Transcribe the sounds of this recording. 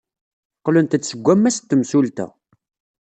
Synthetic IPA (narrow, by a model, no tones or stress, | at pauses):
qlənt̪əsːəɡʷːæmːæst̪ːəmsult̪æ̰